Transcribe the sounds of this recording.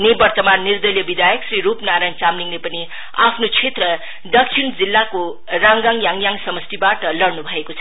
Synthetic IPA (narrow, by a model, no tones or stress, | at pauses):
nebʌrt̪ʌmanːird̪ʌljʌbid̪ajʌksriɾupnaɾajnt͡samniŋnepʌni | apʰnot͡sʰet̪rʌ | d̪ʌkt͡sʰind͡zilːako | raŋɡãŋjaŋjaŋsʌmʌst̪ibaʈʌlʌrnubʱʌekot͡sʰʌ̥